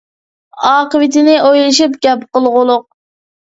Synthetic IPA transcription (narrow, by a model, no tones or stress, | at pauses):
ɑːqəwɪt̪ɪnɪʔojlˠɨʃip̚ɡʲɛpqəlˠʁʊlˠʊq̚